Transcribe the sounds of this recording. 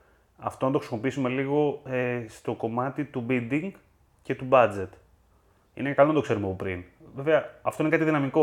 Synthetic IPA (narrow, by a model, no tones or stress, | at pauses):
ɐ̰ft̪o̞nɐnt̪o̞xɾisimo̞piisume̞liɣo̞est̪o̞ko̞mɐt̪it̪ubild̪iŋɡ | ce̞t̪ubɐd͡ze̞t̪ | ḭnekɐloɐnd̪o̞kse̞ɾumeɐpopɾḭnveveɐɐft̪oinekɐt̪iðinɐmiko̞